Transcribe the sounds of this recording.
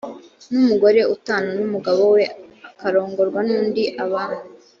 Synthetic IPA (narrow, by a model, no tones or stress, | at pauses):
numuɡo̞ɾe̞ʔutaːnonumuɡaβo̞we̞akaɾo̞ːŋɡo̞ɾɡwanuːndiʔaβaːnuu